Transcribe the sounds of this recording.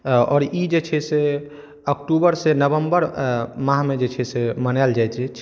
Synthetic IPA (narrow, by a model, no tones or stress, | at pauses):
ɔːɾid͡ʒet͡ʃʰɛse | əkʈubəɾsenəβəmbəɾmãɦmed͡ʒet͡ʃʰɛsemənald͡ʒajt͡ʃʰɛ